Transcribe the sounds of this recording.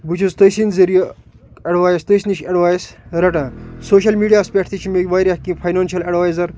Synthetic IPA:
but͡ʃʰuzt̪ɐsinzɐɾijɐ | ɐɖʋaːjst̪ɐsniʃɐɖʋaːjsɾɐʈãːsoːʃɐlmiːɖijaːspʲeʈʰt̪it͡ʃʰimeɡʲʋaːɾikĩfʰɐjnaːnʃɐlɐɖʋaːjzɐɾ

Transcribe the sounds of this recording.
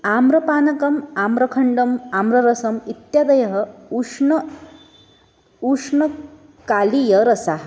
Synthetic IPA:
amɾɐpaːnɐkɐmamɾɐkʰɐɳɖɐmamɾɐɾɐsɐmit̪jad̪ɐjɐɦɐuʂɐ | uʂɳɐ | kaːlijɐɾɐsaɦ

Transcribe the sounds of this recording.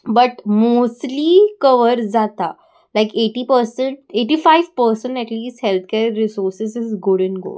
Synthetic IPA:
bɐʈmoːsʈlikɐʋəɾzaːt̪a | laɪkeːʈipəɾsə̃ɳʈeːʈifaɪʋpəɾsə̃ɳʈɛʈliːsʈhɛlt̪ʰkeːɾːɪsoːɾsɪzɪzɡʊɖɪ̃nɡo̰ː

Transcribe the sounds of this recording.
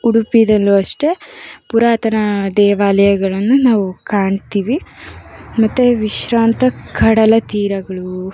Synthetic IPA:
uɽupid̪ɐlːoːɐʂʈe̞puɾaːt̪ɐnɐd̪ɛːʋaːlɐjɐɡɐɭɐnːunaːʋukaːɳt̪iːʋi | mɐt̪ːuʋiʃɾaːnt̪ɐkʰɐɽɐlɐt̪iːɾɐɡɐɭu

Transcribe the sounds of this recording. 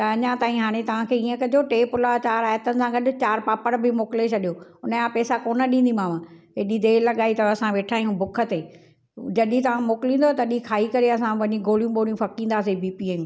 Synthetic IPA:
t̪ɐɐɲãt̪aːĩɦaːɽ̃et̪ɐʋ̤ãkʰeːiːə̃kɐd͡ʑʱoʈeːpʊlat͡ɕaːɾaːjət̪ənɪ̆sãɡɐɗt͡ɕaːɾpaːpəɽbɪmoːkɪlet͡ɕʰɐɗijoʊnəãpɛːsakoːnəɗĩːnd̪imaːʋãɦeːɗid̪eːlɐɠaːit̪ɐɐsãʋeːʈʰaːijũbʊkʰə̆t̪eː | d͡ʑɐɗit̪ɐʋ̤ãmoːkɪlĩːnd̪ot̪ɐɗikʰaːikɐɾeɐsãʋɐɲĩɡoːlijũɓoːlijũfɐkĩːn̆d̪aːsebiːpiaːjũ

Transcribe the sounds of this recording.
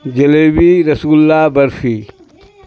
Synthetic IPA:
d͡ʒɐleːbiɾɐsuːllːaːbɐɾfiː

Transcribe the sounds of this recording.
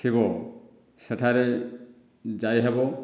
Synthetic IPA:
kʰiβɔ | seʈʰaɾe | d͡ʒajɦebɔ

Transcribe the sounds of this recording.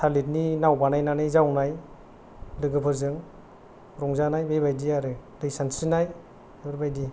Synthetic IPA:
tʰalit̚ninawbanajnanɯjzawnaj | lɯɡɯpʰɯɾzɯŋ | ɾɔŋzanajbejbajdiaɾɯdɯjsansinaj | ɯɾbajdi

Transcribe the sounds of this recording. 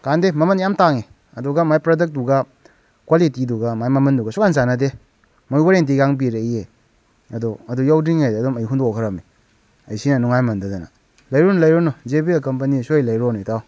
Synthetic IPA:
kandemɐmɐnjamtaŋe | ɐduɡamajpɾadek̚duɡa | kwalitiduɡamajmɐmɐnduɡasukanzanɐde | mojbaɾent̬iɡaŋbiɾeje | ɐdɔɐdujawdiŋajɐdɔmɐjɦundɔɔkʰɐɾɐmi | ɐjsinɐnuŋajmɐndadana̰ | lɐjɾonlɐjɾɔnɔzebiakɐmpɐnisojlɐjɾonitaw

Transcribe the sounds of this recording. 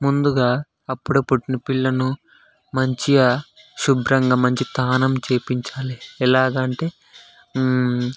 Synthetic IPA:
mund̪uɡaː | ɐpːuɽɐpːuʈːinɐpiɭːɐnu | mɐɲt͡ʃia | ʃubɾɐŋɡaːmɐɲt͡ʃit̪aːnɐmt͡ʃe̞ːpiɲt͡ʃaːliɛlaːɡɐɳʈe̞ː

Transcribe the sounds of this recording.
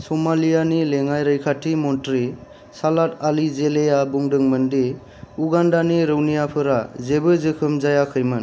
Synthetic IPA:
sɔmalijanileŋajɾɯjkʰatʰimɔntɾi | salatalizelejabuŋdɯŋmɯndi | uɡandaniɾɯwnijapʰɯɾazebɯzɯkʰɯmzajakʰɯjmɯn

